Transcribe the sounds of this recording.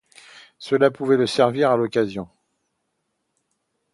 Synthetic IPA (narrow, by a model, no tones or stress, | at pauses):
səlapuvɛləsɛʁviʁalɔkazjɔ̃